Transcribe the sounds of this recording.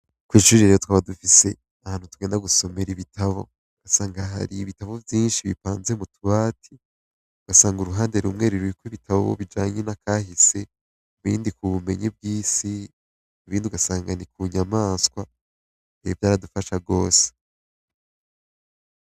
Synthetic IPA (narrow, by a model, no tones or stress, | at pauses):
kwiʃuɾiɾeɾejotwaːβadufise̞ | ahaːn̥hutuɡe̞ːndaɡuso̞me̞ɾiβitʰaβo̞̰ | uɡ̥asaːŋɡaɦa̰ɾiːβitaβo̞vjiːnʃiβḭpaːnzemutuβaːtʰi | uɡ̥asaːŋɡuɾuɦaːnde̞ɾumŋe̞ːɾuɾikwiβitʰaβo̰βo̰βid͡ʒaːɲenakaːɦise̞ | uβḭːndikuβume̞̰ɲib̚ɡiːsi | uβiːndiuɡasaːŋɡanikuɲamaːskwa | nevjaːɾadufaʃaɡo̞ːse̥